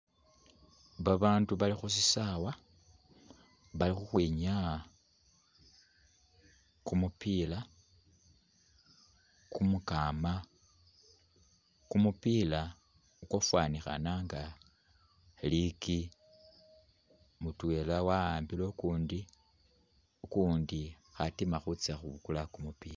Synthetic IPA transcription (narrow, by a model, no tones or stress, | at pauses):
βaβaːnduβalixus̬isawa | βalixuxweːɲa | kumupiːla | kumukama | kumupila | ukofwanixa̰naŋɡa | liki | mutwelawaaːmbilokuːndi | ukuːndi | xatimaxut͡saxuβukulakumupḭla